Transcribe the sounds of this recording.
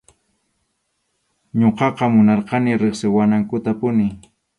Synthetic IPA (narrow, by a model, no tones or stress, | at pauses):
ɲoqɑqɑmʊnɑɾqɑnɪɾɪχsɪwanaŋkʊt̪apʊnɪ